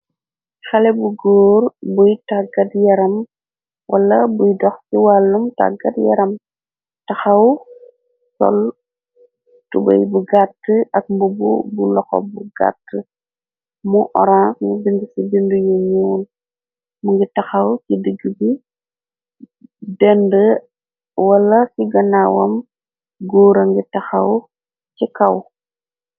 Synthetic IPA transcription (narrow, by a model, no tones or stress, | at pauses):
xɐlɛbuɡoːɾbujtaɡadjɐɾɐm | wʔɐlːɐbujdɔxkiwalːumta̰ɡadjɐ̰ɾɐm | tɐxɐw | sɔ̰l | tubɐ̰jbuɡatːəʔɐk̚mbububulɔxɔ̰buɡa̰tːə | muʔɔ̰ɾaŋɡubindusibindujuɲul | muŋɡitɐxɐwt͡ʃidəɡːəbi | dɛndə | wɐlːɐsiɡɐnawɐm | ɡuːɾɐŋɡitɐxɐw | cikɐw